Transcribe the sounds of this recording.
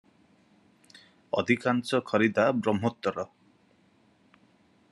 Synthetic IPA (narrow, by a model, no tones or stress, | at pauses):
ɔ̰d̪ʱikansɔkʰɔɾid̪abɾɔm̤ɔt̪ːɔɾɔ